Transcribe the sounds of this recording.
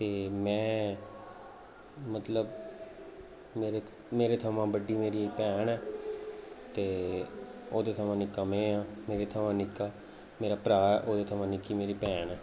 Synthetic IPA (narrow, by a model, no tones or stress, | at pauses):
t̪eːmɛ̃ː | mət̪ləb | meːɾeː | meːɾeːt̪ʰəmãːbəɖiːmeːɾiːpɛːɳɛː | t̪eː | oːd̪eːt̪ʰəʋãːnɪkːãːmẽːãːmeːɾeːt̪ʰəʋãːnɪkːaː | meːɾaːpɾaːɛːʔoːd̪eːt̪ʰəʋãːnɪkiːmeːɾiːpɛːɳɛː